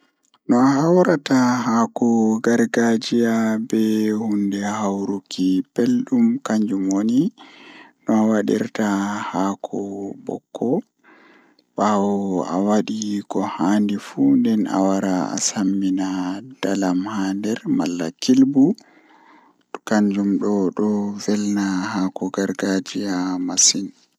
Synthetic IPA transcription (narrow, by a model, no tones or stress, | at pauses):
nɔahawɾatahaːkɔɡaɾɡad͡ʒijabɛhundɛhawɾukʰipelɗumkaɲd͡ʒumwoni | nɔawaɗḭɾtahaːkʰɔbɔ̰kʰːɔ | ɓawɔa̰waɗikɔhaːndifundɛna̰waɾaa̰samːinad̥alamhaːndɛɾma̰lːakilbu | kaɲd͡ʒumɗɔɗɔvɛlnahaːkɔɡaɾɡad͡ʒijamasin